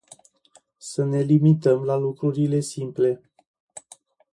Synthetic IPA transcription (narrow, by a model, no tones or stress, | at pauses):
səne̞limit̪əmlalukɾuɾile̞simple̞